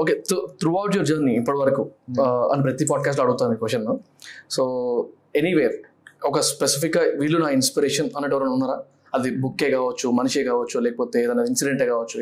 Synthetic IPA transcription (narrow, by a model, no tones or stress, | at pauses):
okeːt̪ut̪ɾuɐwʈjoɾd͡ʒɐːɾniːpːɐʈiʋɐɾɐkuɐ̰nip̬ɾɐt̪ipaːɖ̚kaːsʈlɐɽuɡut̪aːnmiːkoʃɐnːu | soː | eniʋeːɾ | ɔkɐspesipʰikːɐʋiːɭːunaːinspiɾeːʂɐnɐnːɐʈɛʋɐɾɐnunːaːɾaː | ɐd̪ibukːe̞ːkaːʋɐt͡ʃːumɐnuʂeːkaːʋɐt͡ʃːulɛːkɐpoːt̪eːeːd̪ɐnaːd̪iinsiɖeɳʈeːkaːʋɐt͡ʃːu